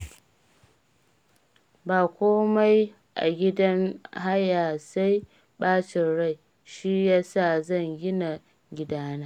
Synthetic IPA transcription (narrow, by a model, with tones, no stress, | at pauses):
baː˨kʷoː˦ma˦j | ʔa̰˨ɡʲɪ˦dɐ˦nɦa˦jaː˨sa˦j | ɓaː˦t͡ʃɪ˨nɽa˦˨j | ʃi˦jaː˦sa˦˨zɐ˦˨ŋɡʲɪ˦na˨ | ɡʲɪ˦daː˦naː˦